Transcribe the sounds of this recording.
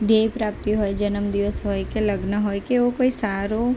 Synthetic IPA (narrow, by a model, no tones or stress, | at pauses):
ɖ̪eːpɾaːp̚t̪iɦoed͡ʒɐnəmd̪ɪʋəsɦoːjkelɐɡnaɦojkeʋokoːisaːɾo